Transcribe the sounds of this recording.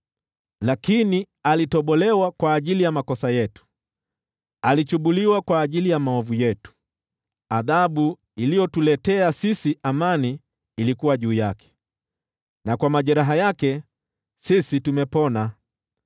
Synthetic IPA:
lakini | alitɔɓɔlɛwakwaːʄilijamakɔsajɛtu̥ | alit͡ʃuɓuliwakwaːʄilijamaɔvujɛtu̥ | aðaɓu | ilijɔtulɛtɛasisiʔamaniː | likuwaʄuːjakɛ̥ | nakwamaʄɛɾaɦajakɛ | sisitumɛpɔna

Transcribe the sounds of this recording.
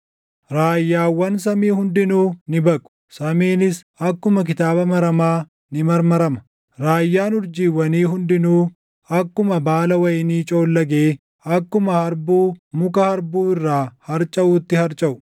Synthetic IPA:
ɾaːjːaːwːɐns̬ɐmiːhʊnd̪ɪnuːnɪbɐkʼʊ̥ | sɐmiːnɪs | ɐkːʊmɐk̬ɪt̪aːbɐmɐɾɐmaː | nɪmɐɾmɐɾɐmɐ̥ | ɾaːjːaːnʊɾd͡ʒiːwːɐniːɦʊnd̪ɪnuː | ɐkːʊmɐbaːlɐwɐjɪniːt͡ʃʼo̞ːlːɐɡeː | ɐkːʊmɐhɐɾbuːmʊkɐhɐɾbuːɪrːaːhɐɾt͡ʃʼɐʔuːt̪ːɪhɐɾt͡ʃʼɐʔʊ̥

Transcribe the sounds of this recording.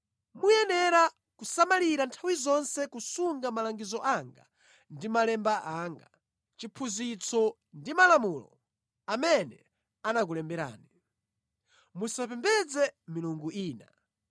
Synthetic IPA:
mujɛnɛɾa | kusamaliɾantʰawizɔnsɛkusuŋɡamalaŋɡizɔʔaŋɡa̰ | ndimalɛmbaʔaŋɡa | t͡ʃipʰuzit͡sʰɔ | ndimalamulɔ̰ | amɛnɛ | anak̬ulɛmbɛɾa̰ːni | musapɛmbɛd͡zɛmiluŋɡuiːna

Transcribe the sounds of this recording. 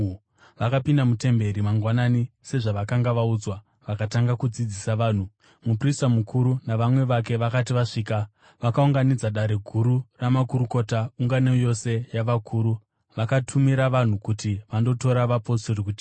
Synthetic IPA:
ʋakapindamute̞mbe̞ɾimaŋɡwananise̞ʐaʋakaŋɡaʋaud͡zwa | ʋakataŋɡakud͡zid͡zisaʋaːn̤u | mupristamukʰuɾunaʋamwe̞ʋake̞ʋakat̬iʋaʂiːka | ʋakauŋɡanid͡zaɗaɾe̞ɡʱuɾuramakuɾuko̞tauŋɡaneojo̞se̞jaʋakʰuːɾu | ʋakatʰumiɾaʋan̤ukutiʋando̞to̞ɾaʋapo̞sorikuti̥

